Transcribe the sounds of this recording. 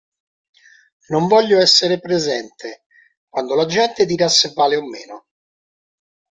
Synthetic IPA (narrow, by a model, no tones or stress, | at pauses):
noɱvɔʎːoɛsːeɾepɾezɛnt̪ʰe | kwand̪olad͡ʒɛnt̪ed̪iːɾasːevːaːleomːeːno